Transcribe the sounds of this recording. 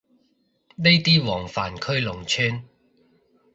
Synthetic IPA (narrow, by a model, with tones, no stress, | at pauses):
ne˥jt̪iː˥wɔː˨˩ŋfaː˨˩nkʰɵ˥ɥlʊ˨˩ŋt͡ʃʰyː˥n